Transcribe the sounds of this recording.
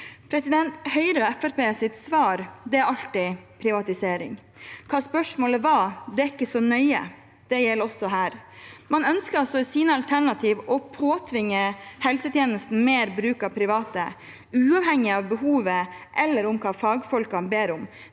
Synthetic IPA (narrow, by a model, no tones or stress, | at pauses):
pʰɾɛsɪd̪ɛnt̪hœʏɾəɛfæɾpʰeːsɪt̪sʋɑːɾd̪ɛæɾʔɑlt̪ɪpʰɾɪʋɑt̪ɪseːɾɪ̰ŋ | kʰɑːspœʂmoːləʋɑːd̪ɛæɪkːəsɔnœʏə̰ | d̪̥ɛjɛlɔsɔɦæːɾmɑnœnskəɾɑlsɔsiːnəɑlt̪ʰæɳɑt̪ʰiːʋɔpʰoːt̪ʰʋɪŋːəhɛlsət̪ʰjeːnəst̪n̩meːɾbɾʉːkɑpʰɾɪʋɑːt̪ə | ʉːɑʋhɛŋːɪɑʋbəhuːʋəʔɛlːəɾʊmkʰɑːfɑːɡfɔlkɑnbeːɾʊm